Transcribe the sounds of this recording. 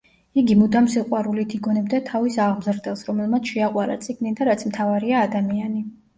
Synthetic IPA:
iɡimud̪amsiqʼwaɾulit̪ʰiɡɔnɛbd̪at̪ʰavisaʁmzɾd̪ɛlˠsɾɔmɛlˠmat̪sʰʃɛaqʼwaɾa̰t̪sʼiɡnid̪aɾat̪sʰmt̪ʰavaɾiaːd̪amiani

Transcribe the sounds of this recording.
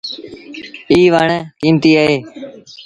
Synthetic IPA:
iːʋəɳkiːmt̪iːəɦeː

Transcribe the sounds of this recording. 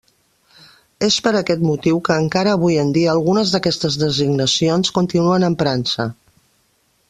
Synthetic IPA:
espəɾəkɛt̪mut̪iwkəːŋkaɾəːβ̞ujənd̪iəːlˠɣunəzðəkɛst̪əzðəziɡnəsijonskunt̪inuənəmpɾansə̰

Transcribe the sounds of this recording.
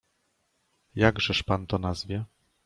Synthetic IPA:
jaɡʐɛʂpant̪ɔnazvʲjɛ

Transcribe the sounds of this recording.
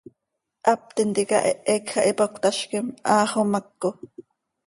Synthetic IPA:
ʔɑp̚t̪int̪ikɑ̰ʔeʔekxɑʔipokt̪ɑʃkemʔɑːχomɑkːo

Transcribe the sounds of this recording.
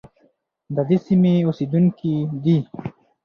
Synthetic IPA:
d̪əd̪esimeused̪uŋkid̪i

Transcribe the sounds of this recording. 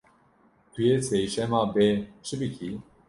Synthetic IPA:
t̪ʰujeseːʃɛmaːbeʃɨbɨkʰi

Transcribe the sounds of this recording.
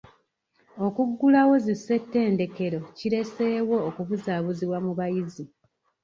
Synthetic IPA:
o̞kuɡːulawo̞zisːe̞tːe̞ːnde̞ke̞ɾo̞ciɾe̞se̞ːwo̞ːkuβuzaːβuziβwamuβajizi

